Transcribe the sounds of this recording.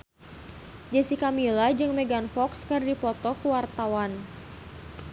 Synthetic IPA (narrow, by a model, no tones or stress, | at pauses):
d͡ʒasikamilad͡ʒɨŋmeɡanfɔkskɨrdipɔt̪ɔkəwart̪awan